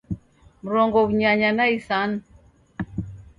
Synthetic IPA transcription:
m̩ɾɔŋɡɔβuɲaɲanaisanu

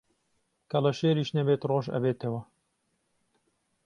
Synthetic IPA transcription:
kʰɐlɐʃeːɾiːʃnɐbeːt̪roːʒɐ̰beːt̪ɐwɐ

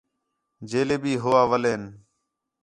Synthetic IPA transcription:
d͡ʒeːleːbiːɦʊʋaːʋəleːn

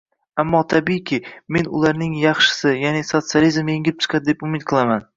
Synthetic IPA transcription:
amːɒt̪ʰabikʲʰɪme̞nʊ̰laɾnɪŋjɑχʃɪ̥sɪjaneso̞t̪sɨalizmeŋʲɪlɪp̚t͡ʃʰɨ̥qʰɑd̪ɪd̪e̞pʊmɪt̪̚qʰɨlˠaman

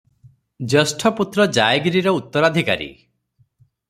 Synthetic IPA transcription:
d͡ʒesʈʰɔput̪ɾɔd͡ʒajɡɾiɾɔut̪ːɔɾad̪ʱika̰ɾḭ

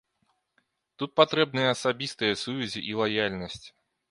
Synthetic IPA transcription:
t̪ut̪̚pat̪ɾɛb̚nɨjɐːsabʲist̪ɨjɐsuvʲɛzʲḭʔilˠajalʲnɐsʲt͡sʲ

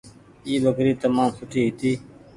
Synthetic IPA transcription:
iːbəkɾiːt̪əmaːmsʊʈʰiːɦɪt̪iː

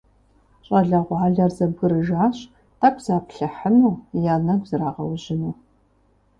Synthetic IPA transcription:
ɕʼɐɮɐʁʷaːɮɐrzɐb̚ɡɨɾɨʒaːɕ | tʰakʷz̥aːpɬɨħənuːjaːnɐɡʷzɨɾaːʁɐwʑɪnuː

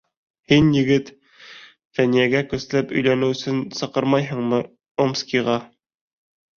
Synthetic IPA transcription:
hinjɘ̆ɡɘt̪ | fænijæɡækɵ̆slæpɵ̆jlænɘwɵ̆sɘnsɤ̆qɤɾmɑjɦɤ̆ɴmɤ | omskʲiʁɑ

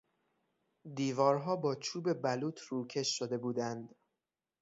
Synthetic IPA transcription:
d̪iːvɒːɾɦɒːbɒːt͡ʃʰuːbe̞bæluːt̪ʰruːcʰe̞ʃːod̪e̞buːd̪ænd̪

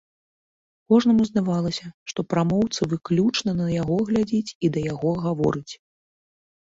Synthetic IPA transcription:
kɔʐnɐmuzd̪avalˠɐsʲɐʂt̪ɔpɾamɔwt̪sɨvɨklʲut͡ʂnɐnɐjaɣɔɣlʲad͡zʲit͡sʲid̪ɐjaɣɔɣavɔ̰ɾɨt͡sʲ

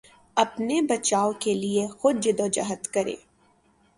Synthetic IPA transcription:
ɐpnebɐt͡ʃaːokeliexʊd̪̚d͡ʒɪd̪oːd͡ʒɐ̰ɦət̪kɐɾḛː

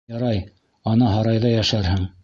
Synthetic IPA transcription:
ɑɾɑj | ɑnɤɦɑɾɑjðɑjæʃæɾhɘŋ

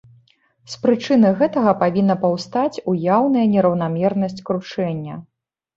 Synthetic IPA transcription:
spɾɨt͡ʂɨnɨɣɛt̪ɐɣɐpavʲinːɐpɐwst̪at͡sʲujawnɐjɐnʲɛɾɐwnamʲɛrnɐsʲt͡sʲkɾut͡ʂɛnʲːɐ

